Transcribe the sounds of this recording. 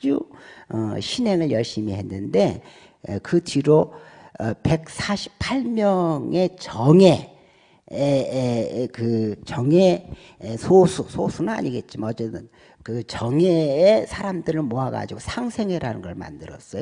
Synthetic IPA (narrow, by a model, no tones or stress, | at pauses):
d͡ʑuʌɕʰine̞ŋɯɭjʌɭɕ͈imihe̞nːɯnde̞ | kɯd͡ʑiɾo | pe̞k̚sʰaɕʰi̥pʰaɭmjʌŋe̞t͡ɕʌŋe̞ | kɯt͡ɕʌŋe̞ | sʰosʰusʰosʰunɯna̰ɲiɡe̞t̚t͡ɕ͈imaʌd͡ʑet͈ɯn | kɯt͡ɕʌŋeːsʰaɾamdɯɾɯɭmoɦaɡa̰d͡ʑiɡosʰaŋsʰe̞ŋɦeɾanɯnɡʌɭma̰ndɯɾʌ̰s͈ʌjo